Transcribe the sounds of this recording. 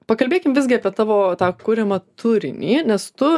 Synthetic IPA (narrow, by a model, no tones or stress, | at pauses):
pɐkɐlʲbʲeːkʲɪmʋʲɪzʲɡʲɪɐpʲiɛt̪ɑːʋoːt̪ɑːkʊɾʲɛmɐt̪ʊɾʲɪ̰nʲḭːnʲɛst̪ʊ